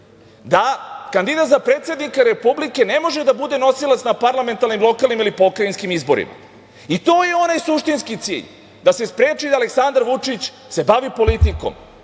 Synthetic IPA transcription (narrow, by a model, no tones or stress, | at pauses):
d̪akand̪id̪at̪zapɾe̞ːt̪sjed̪nikaɾepublike̞ne̞mo̞ʒe̞d̪abud̪e̞no̞silat̪snapaɾlame̞nt̪aɾnimlˠo̞kalˠnimilipo̞kɾainskimizbo̞̰ɾḭma̰ | it̪o̞ːjeo̞najsuʃt̪inskit̪sḭːʎ | d̪asespɾe̞ːt͡ʃid̪aleksand̪aɾʋut͡ʃit͡ɕ | se̞baʋipo̞lit̪iko̞̰m